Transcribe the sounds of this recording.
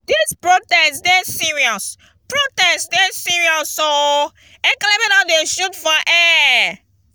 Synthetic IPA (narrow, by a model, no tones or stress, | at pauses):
dispɹotɛsdesiɹiɔs | pɹotɛsdɛsiɹiɔsto | ɛklemĩnadeʃutfɔʔɛ